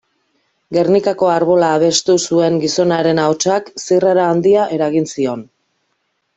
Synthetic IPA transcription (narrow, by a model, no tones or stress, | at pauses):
ɡe̞rnikako̞aɾβo̞laːβ̞e̞st̪usue̞ŋɡiso̞naɾe̞naot͡ʃaksiraɾaːnd̪iaʔe̞ɾaɣinsio̞n